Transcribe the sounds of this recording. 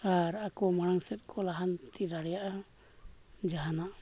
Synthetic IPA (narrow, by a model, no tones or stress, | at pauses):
aɾakɔmaɽaŋsɛt̪̚ˀkʰɔlaɦant̪iɾaɽɛjaʔa | d͡ʒaɦanaʔ